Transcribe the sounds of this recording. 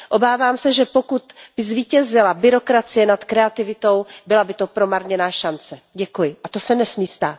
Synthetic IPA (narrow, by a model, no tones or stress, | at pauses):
ʔo̞baːvaːmsɛʒɛpo̞kut̪b̥ɪzviːcɛzɪlabɪɾo̞kɾat͡sɪjɛnat̪kɾɛat̪ɪvɪt̪o̞wbɪlabɪt̪o̞pɾo̞maɾɲɛnaːʃant͡sɛɟɛkujɪʔat̪o̞sɛnɛsmiːst̪aːt̪